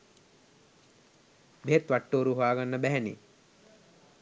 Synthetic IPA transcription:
beet̪ʋaʈːoːɾuɦoaːɡanːəbæɦænḭ

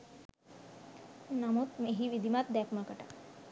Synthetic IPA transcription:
namot̪meɦiʋid̪ʱimat̪̚d̪apməkəʈa̰

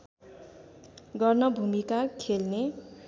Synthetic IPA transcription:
ɡʌrnʌbʱumikakʰelne

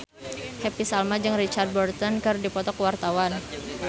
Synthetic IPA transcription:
hɛpisalmad͡ʒɨŋrit͡ʃard̪̚bɔrt̪ɔnkɨrdipɔt̪ɔkwart̪awan

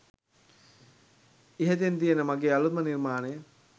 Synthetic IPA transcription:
iɦət̪ent̪ijənəmaɡeːalut̪mənirmaːnejə

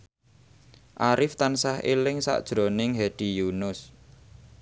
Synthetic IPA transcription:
ʔaɾɪft̪ansahḛlɪŋsa̰ʔd̥ʒ̥ɾo̤nɪŋɦeɖ̥ijunʊs

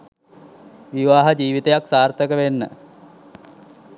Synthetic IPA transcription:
ʋiʋaːɦəd͡ʒiːʋit̪əjaksaːrt̪əkəʋenːə̰

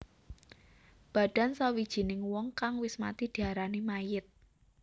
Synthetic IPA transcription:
b̥a̤ɖ̥a̤nsawid̥ʒ̥i̤nɪŋwɔŋkaŋwɪsma̰t̪id̥i̤aɾanimajɪt̪̚

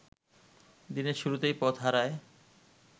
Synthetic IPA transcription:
d̪ineɾʃuɾut̪ejpɔt̪ɦaɾae

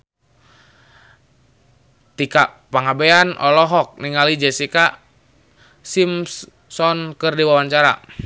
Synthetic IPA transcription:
t̪ika | paŋabeanɔlɔɦɔk̚niŋalid͡ʒɛsika | sims | sɔnkɨrdiwawaɲt͡ʃaɾa̰

